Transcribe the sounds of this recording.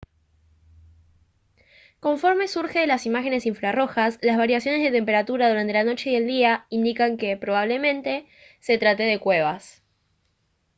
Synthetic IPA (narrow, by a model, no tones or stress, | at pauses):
ko̞ɱfo̞ɾme̞suɾxe̞ðelasimaxe̞ne̞siɱfɾaro̞xaslazβaɾjasjo̞nezðe̞t̪e̞mpe̞ɾat̪uɾaðuɾant̪e̞lano̞t͡ʃe̞ie̞ld̪iaind̪ikaŋke̞pɾo̞β̞aβ̞le̞mẽ̞nt̪e̞ | se̞t̪ɾat̪eðe̞kwe̞β̞as